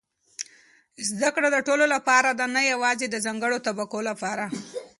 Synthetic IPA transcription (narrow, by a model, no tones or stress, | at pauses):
zd̪akɽad̪əʈololapɑɾad̪anajawɑzed̪əzɑŋɡəɽot̪abakolapɑɾa